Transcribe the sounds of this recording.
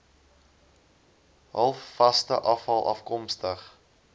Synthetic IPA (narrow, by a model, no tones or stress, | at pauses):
ɦɐlˠfːɐstəʔɐfɐlˠʔɐ̰fkɔmstəχ